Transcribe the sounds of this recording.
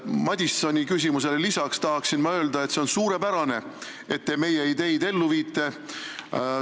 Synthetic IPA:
mɑd̪ʲist̪sonʲikys̬ʲimus̬e̞lelisɑkst̪ɑɦɑksinmɑø̞ːld̪ɑe̞t̪se̞o̞nsuːɾe̞pæɾɑne̞ | e̞t̪ːe̞me̞jejid̪e̞jd̪e̞lːuviːt̪ːˑe̞

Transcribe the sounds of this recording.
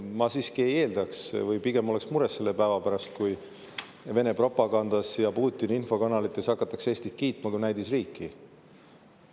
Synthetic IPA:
mɑsiːskie̞je̞ːld̪̥ɑksvɯjpiɡ̥e̞mo̞le̞ksmuɾe̞sːe̞lːe̞pæevɑpæɾɑst̪̚kuj | ve̞ne̞pro̞pːˑɑɡ̥ɑnd̪̥ɑsjɑpuːt̪ʲːˑininfo̞kɑnɑlit̪ːˑesɑkːˑɑt̪ːˑɑkseːsʲt̪ikiːt̪ˑmɑkujnæjd̪isriːkːˑi

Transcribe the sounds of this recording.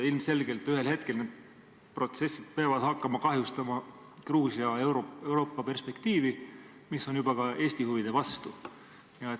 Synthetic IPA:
ilmse̞lɡ̥e̞lt̪ːˑyhe̞lhe̞t̪̚ke̞lneːd̪̥̚ | pro̞t̪se̞sːid̪̥̚peɑvɑd̪̥hɑkːɑmɑkɑɦjust̪ɑmɑ | kruːsiɑewɾoe̞wɾo̞ːpːɑpe̞rspe̞kt̪iːvi | misːo̞njubɑkɑe̞ːsʲt̪ihuvid̪̥e̞vɑst̪u | jɑe

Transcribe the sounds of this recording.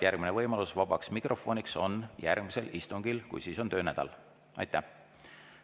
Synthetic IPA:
jærɡ̥mine̞vɤjmɑlusvɑb̥ɑksmikrʔo̞fo̞ːnikso̞njærɡ̥mise̞list̪uŋɡilkṵjsiːso̞nt̪ø̞ːnæd̪̥ɑ̰l | ʔɑ̰jt̪ːˑæh

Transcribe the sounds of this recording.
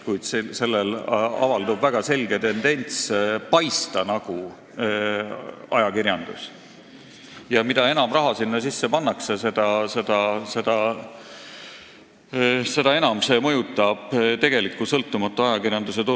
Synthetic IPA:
kujd̪̥sese̞lːelɑ̰vɑld̪ubvæɡ̥ɑse̞lʲɡ̥e̞t̪e̞nd̪e̞nʲt̪spɑjst̪ɑnɑɡ̥u | ɑjɑkirjɑnd̪̥us | jɑmid̪̥ɑe̞nɑmrɑɦɑsinːɑsisːe̞pɑnːɑksese̞d̪ɑse̞d̪̥ɑse̞d̪̥ɑ | se̞d̪̥ɑe̞nɑmse̞mɤjut̪ːˑɑb̥t̪e̞ɡ̥e̞likːˑusɤlt̪ːˑumɑt̪ːˑuɑjɑkirjɑnd̪us̬e̞t̪u

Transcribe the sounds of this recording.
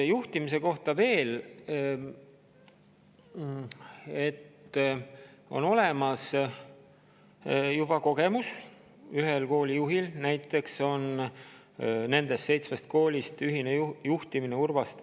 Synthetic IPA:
juht̪imise̞ko̞ht̪ɑve̞ːl | e̞t̪ː | o̞̰no̞lemɑs | jub̥ɑko̞ɡe̞mus | yɦelko̞ːlʲijuɦilnæjt̪ːˑe̞kso̞n | ne̞nd̪̥e̞st̪se̞jt̪smest̪̚ko̞ːlʲist̪yɦinejuht̪imineurvɑst̪

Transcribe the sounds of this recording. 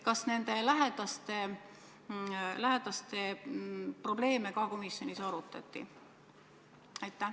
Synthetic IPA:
kɑsne̞nd̪̥e̞læɦed̪̥ɑst̪e̞ | læɦed̪̥ɑst̪e̞ | pro̞b̥le̞ːme̞kɑko̞misjo̞nisɑɾut̪ːˑɑ̰t̪ːˑḭ | ɑjt̪ˑːæh

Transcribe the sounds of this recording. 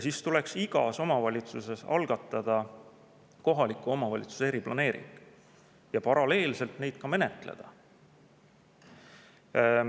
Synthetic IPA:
jɑsist̪ule̞ksiɡ̥ɑ̰so̞mɑvɑlʲit̪suse̞sɑ̰lɡ̥ɑt̪ːˑɑd̪̥ɑ | ko̞ɦɑlikːˑuo̞mɑvɑlʲit̪su̥se̞ɾiplɑ̰ne̞ːɾḭŋɡ̥ | jɑpɑɾɑle̞ːlse̞lt̪ne̞jd̪̥̚kɑme̞ne̞t̪ˑle̞̰d̪̥ɑ

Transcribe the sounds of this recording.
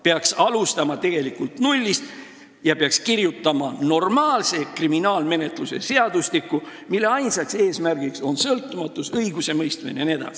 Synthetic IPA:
peɑksɑlust̪ɑmɑt̪e̞ɡ̥e̞likult̪nulʲːist̪ | jɑpe̞ɑkskirjut̪ˑːɑmɑno̞rmɑːlse̞kriminɑːlme̞ne̞t̪luse̞̰se̞ɑd̪̥uslikːˑu | milːe̞ɑjnsɑkse̞ːsmærɡ̥ikso̞nsɤlt̪ːˑumɑt̪ːˑusɤjɡ̥use̞mɤjst̪mḭnenie̞d̪̥ɑ̰si̥

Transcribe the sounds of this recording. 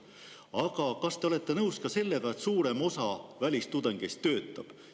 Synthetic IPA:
ɑɡ̥ɑkɑst̪e̞o̞le̞t̪ːˑe̞nɤwskɑse̞lːe̞ɡ̥ɑe̞t̪suːɾe̞mo̞sɑvælʲist̪ud̪̥eŋɡ̥est̪ːø̞ːt̪ːˑɑb̥

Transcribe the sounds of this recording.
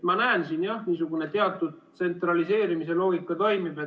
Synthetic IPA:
mɑnæensinjɑhniːsuɡ̥une̞t̪e̞ɑt̪ːˑud̪̚t̪se̞nt̪rɑlise̞ːɾimis̬e̞lo̞ːɡikːˑɑt̪o̞jmib̥e

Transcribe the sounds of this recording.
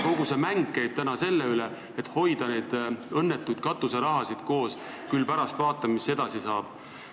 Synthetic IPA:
ko̞ɡ̥usemæŋɡːejb̥̚t̪ænɑse̞lːeyle | et̪ˑho̞jd̪ɑne̞d̪̥ɤnːet̪ːˑujd̪̥̚kɑt̪ːˑuseɾɑɦɑsid̪̥ko̞ːs | kylpæɾɑst̪vɑːt̪ːˑɑmmisːe̞d̪̥ɑsisɑːb̥

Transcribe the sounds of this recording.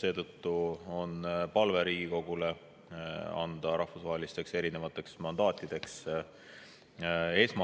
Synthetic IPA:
se̞ːt̪ɤt̪ːuo̞npɑlve̞ɾiːɡ̥iko̞ɡ̥ule̞ | ɑ̰nd̪̥ɑɾɑhfusvɑɦe̞list̪e̞kse̞ɾine̞vɑt̪ːˑe̞ksmɑnd̪̥ɑːt̪ʲːˑid̪̥e̞ks | e̞ːsmɑ

